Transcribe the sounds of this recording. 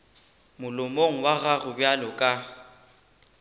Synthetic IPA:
mʊlʊmoŋ̩waɣaɣʊbjalɔkʼa

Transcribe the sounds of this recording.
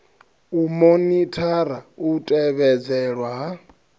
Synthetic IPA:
umonitʰaɾautʼɛβɛd͡zɛɺwaɦa

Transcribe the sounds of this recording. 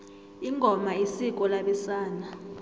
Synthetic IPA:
iŋʱɔmaisik̬ʼɔlaɓɛsaːna

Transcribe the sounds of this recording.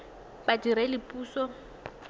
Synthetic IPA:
badiɾɛlɪpʼuːsɔ

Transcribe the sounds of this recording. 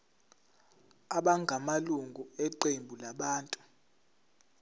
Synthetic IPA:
aɓaŋɡʱamaluŋɡʱuɛǃembʱulaɓaːntʼu

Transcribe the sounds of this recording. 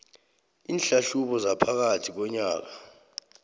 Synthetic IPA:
iːnɬaɬuɓɔzapʰak̬atʰik̬ɔɲaːk̬ḁ

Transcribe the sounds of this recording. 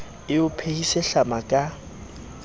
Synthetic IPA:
ɪʊpʰehisɛɬamakʼa

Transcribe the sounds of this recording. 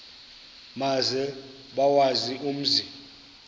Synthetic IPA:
mazɛ | ɓawazium̩zi

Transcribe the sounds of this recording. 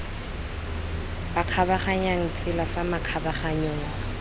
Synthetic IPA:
baq͡χʰabaχaɲaŋ̩t͡sʼɪlafamaq͡χʰabaχaɲoːŋ̩

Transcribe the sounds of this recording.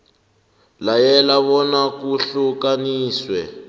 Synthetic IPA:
lajɛlaβɔnakuɬukaniːswɛ̰

